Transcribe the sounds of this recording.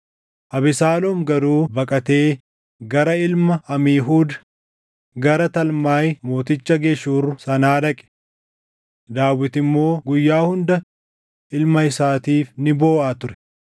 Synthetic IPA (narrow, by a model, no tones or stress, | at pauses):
ʔɐbɪsaːlɔmɡɐɾuːbɐkʼɐt̪e̞ː | ɡɐɾɐɪlmɐɐmiːɦuːd̪ɐ | ɡɐɾɐt̪ɐlmaːjmo̞ːt̪ɪt͡ʃːɐɡeʃuːrːʊsɐnaːd̪ɐkʼɛ̥ | d̪aːwːɪt̪ɪmːo̞ːɡʊjːaːhʊnd̪ɐ | ɪlmɐɪsaːt̪iːfnɪboːʔaːt̪ʊɾɛ̥